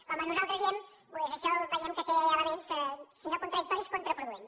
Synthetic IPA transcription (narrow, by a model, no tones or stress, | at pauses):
kamɐnuzalˠt̪ɾəβiɛm | pwezɐʃɔβəjɛmkət̪ealaβenssinokunt̪ɾɐðik̚t̪ɔɾiskont̪ɾɐpɾuðuens